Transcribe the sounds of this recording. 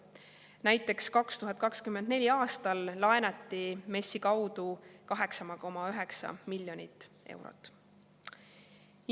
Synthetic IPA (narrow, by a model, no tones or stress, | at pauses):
næjt̪ːˑe̞kskɑkst̪uɦɑd̪̚kɑkskymend̪ne̞lʲiɑːst̪ɑlːɑenɑt̪ˑːime̞sːikɑwd̪ukɑɦe̞ksɑmɑko̞mɑyɦe̞ksɑ̰milʲːjo̞nʲit̪ːˑ | e̞̰wɾo̰t̪ːˑ